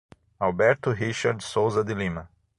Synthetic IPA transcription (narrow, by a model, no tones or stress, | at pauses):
albɛɾt̪ʊɦiʃaɾd̪sowzɐd̪ɪlĩmɐ